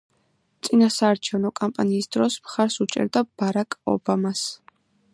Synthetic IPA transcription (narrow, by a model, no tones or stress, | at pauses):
t̪sʼinasaːɾt͡ʃʰɛvnɔkʼampʼaniːsd̪ɾɔsmχaɾsut͡ʃʼɛ̰ɾd̪ab̥aɾakʼɔ̰bamas